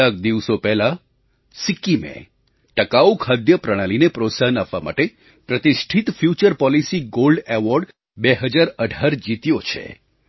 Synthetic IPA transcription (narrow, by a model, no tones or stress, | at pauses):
ak̚d̪iʋsopɛɦla | sikːimḛ̃ | ʈəkaukʰad̪jəpɾəɽ̃alinepɾot̪saɦənapʋama̰ʈe | pɾət̪iʃʈʰit̪fjut͡ʃəɾpɔlisiɡolɖeʋɔɾɖ | beɦəd͡ʒaɾəɖʱaɾd͡ʒit̪jot͡ʃʰḛ